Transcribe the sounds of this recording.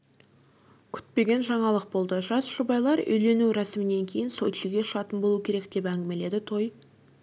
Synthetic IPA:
kʲʰʏ̥t̪̚pe̞ɡʲe̞nʒɑɴɑlˠəq̚bo̞lˠd̪əʒɑsʒ̥ʊbɑjlˠɑɾʏ̰jle̞nuɾɑsɪmɪne̞ŋkʲʰe̞jɪnso̞jt̪ʰɪlɡʲe̞ʃəɑt̪ənbo̞lˠuəkʲʰe̞ɾe̞kd̪e̞pæŋɡʲɪme̞le̞d̪ɪt̪ʰo̞j

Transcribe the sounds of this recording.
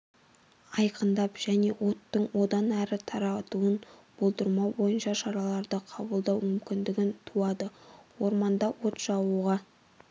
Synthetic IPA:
ɑjqʰənd̪ɑpʒ̥æne̞wo̞t̪ːəɴwo̞d̪ɑnæɾɪt̪ʰɑɾɑt̪uənb̥o̞lˠd̪əɾmɑbo̞jənʃɑʃɑɾɑlˠɑɾd̪əqʰɑbəlˠd̪ɑwmʏmkʲɪnd̪ɪɡʲɪnt̪ʰuɑd̪əwo̞ɾmɑnd̪ɑwo̞t̪ʒ̥ɑwuʁɑ

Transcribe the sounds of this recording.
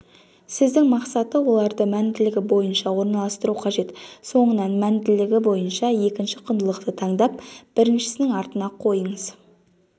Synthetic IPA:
sɪzd̪ɪŋmɑqsɑt̪əwo̞lˠɑɾd̪əmænd̪ɪlɪɡʲɪbo̞jənʃɑwo̞ɾnɑlˠɑst̪əɾuqʰɑʒe̞t̪so̞ɴənɑnmænd̪ɪlɪɡʲɪbo̞jənʃɑje̞kʲɪnʃɪqʰʊnd̪əlˠəqt̪ət̪ʰɑɴd̪ɑp̚b̥ɪɾɪnʃɪ̥sɪnɪŋɑɾt̪ənɑqʰo̞jəɴəz̥

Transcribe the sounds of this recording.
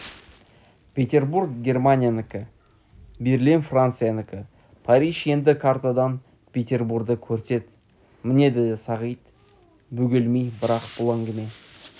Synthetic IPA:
pʲʰe̞t̪ʲe̞rburɡɡʲe̞rmanʲijanɪkʲɪ | beɾlinfrant̪sɨjanɪkʲɪ | pʰaɾʲijʃje̞nd̪ɪkʰart̪ad̪ɑn | pʲʰe̞t̪ʲe̞rburɡd̪əkʲʰɵɾse̞t̪ | mɪne̞d̪ed̪esɑʁijt̪ | bɵɡʲelmijbɪɾɑqb̥ʊlˠæŋɡʲɪme̞

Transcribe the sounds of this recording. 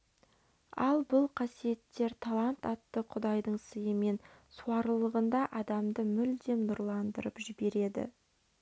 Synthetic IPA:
ɑlˠbʊlˠqʰɑsije̞t̪ːe̞ɾt̪ʰɑlˠant̪ɑt̪ːəqʰʊd̪ɑjd̪əɴsəjəme̞nsuwɑɾlˠəʁənd̪ɑʔɑd̪ɑmd̪əmʏld̪e̞mnʊɾlˠɑnd̪əɾəpʒɪbe̞ɾe̞d̪ɪ̰

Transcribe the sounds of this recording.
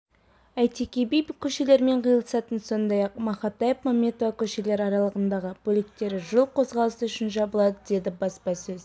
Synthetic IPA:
æjt̪ʰekʲebijbkʲʰɵʃe̞le̞ɾme̞ɴqʰəjəlˠəsɑt̪ənso̞nd̪ɑjɑq̚mɑχɑt̪ɑjepmamʲːet̪ovakʲʰɵʃe̞le̞ɾɑɾɑlˠəʁənd̪ɑʁəbɵlɪk̚t̪e̞ɾɪʒəlˠqʰo̞zʁɑlˠəsəʏʃɪnʒɑbəlˠɑd̪əd̪e̞d̪ɪbɑspɑsɵz

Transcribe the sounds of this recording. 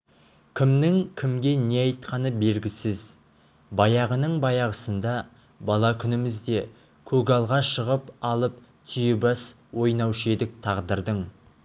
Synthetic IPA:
kʲʰɪmnɪŋkʲʰɪmɡʲe̞ne̞ɑjt̪qʰɑnəbe̞lɡʲɪsɪz | bɑjɑʁənəɴbɑjɑʁəsənd̪ɑ | bɑlˠɑkʲʰʏnɪmɪzd̪e̞ | kʲʰɵɡɑlˠʁɑʃəʁəpɑlˠəp̚ | t̪ʰʏjɪbɑs | wo̞jnɑwʃed̪ɪk̚t̪ʰɑʁd̪əɾd̪əɴ

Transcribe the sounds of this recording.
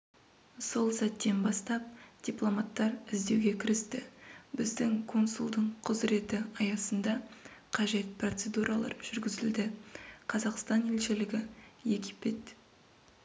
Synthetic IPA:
so̞lˠsæt̪ːe̞nbɑst̪ɑp̚d̪̥ʲiplˠo̞mɑt̪ːɑɾɪzd̪e̞wɡʲe̞kʲʰɪɾɪst̪ɪbɪzd̪ɪŋkʰo̞nsulˠd̪əɴqʰʊzɾe̞t̪ɪɑjɑsənd̪ɑqʰɑʒe̞t̪̚pro̞t̪se̞d̪uɾʔɑlˠɑ̰ɾʒ̥ʏɾɡʲɪzɪld̪ɪqʰɑzɑqst̪ɑne̞lʃɪlɪɡʲɪje̞ɡʲipe̞t̪

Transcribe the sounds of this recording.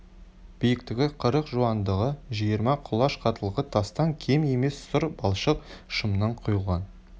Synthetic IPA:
b̥ijɪk̚t̪ɪɡʲɪqʰəɾəqʒuɑnd̪əʁəʒijəɾmɑqʰʊlˠɑʃqʰɑt̪əlˠʁət̪ʰɑst̪ɑŋkʲʰeme̞me̞ssʊɾbɑlˠʃəqʃəmnɑɴqʰʊjəlˠʁɑn

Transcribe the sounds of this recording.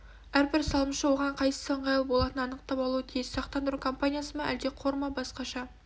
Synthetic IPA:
æɾbɪɾsɑlˠəmʃəwo̞ʁɑɴqʰɑjsə̥səɴʁɑjˠəbo̞lˠɑt̪ənɑnəqt̪ɑpɑlˠuwət̪ʰijɪssɑqt̪ɑnd̪əɾukʰo̞mpanʲijasəmɑʔæld̪e̞qʰo̞ɾmɑbɑsqɑʃɑ

